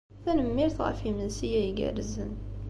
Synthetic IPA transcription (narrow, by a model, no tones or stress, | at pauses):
θænəmːiɾθʁə̰fimənsijæjəɡæ̰rəzən